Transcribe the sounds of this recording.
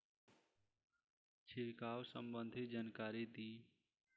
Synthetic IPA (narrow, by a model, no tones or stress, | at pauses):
t͡ʃʰɪlkaːwsəmbə̃nd̪ʱid͡ʒaːnkaːɾit̪iː